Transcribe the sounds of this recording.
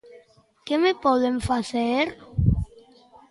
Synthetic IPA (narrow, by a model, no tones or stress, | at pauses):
kemepɔðeɱfaθeɾ